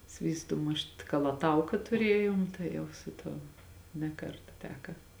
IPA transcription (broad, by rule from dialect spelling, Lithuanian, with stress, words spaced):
ˈsʲʋʲiːstuː ˈmʊʃt kɐlˠɐˈtɐʊkɐ tʊˈrʲeːjoːm tɐɪ ˈjɛʊ sʊ ˈtuɔ nʲɛ ˈkɐrtɐ ˈtʲæːkɐ